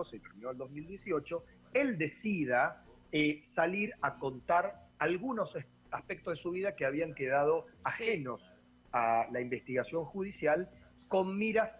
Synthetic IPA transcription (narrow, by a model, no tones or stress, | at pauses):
oset̪eɾminoeld̪o̞zmild̪je̞sio̞t͡ʃo̞ | eld̪e̞siða | esaliɾako̞nt̪aɾalɣuno̞s | aspek̚t̪ozðesuβiðakeaβiaŋkeðað̞o̞axeno̞s | alaimbe̞st̪iɣasjo̞ŋxuð̞isjal | ko̞nmiɾas